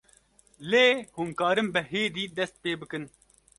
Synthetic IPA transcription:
leːhuːmkɑːɾɨmbɨɦeːd̪iːd̪ɛst̪̚peːbɨkɨn

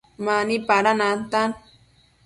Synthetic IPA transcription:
manipaɾanant̪an

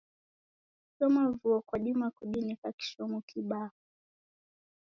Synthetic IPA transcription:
sɔmavuɔkwaɗimakuɗinikaki̥ʃɔmukʰiɓau

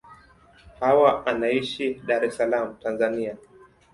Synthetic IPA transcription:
hawaʔanaiʃiɗaɾɛsalamutanzania

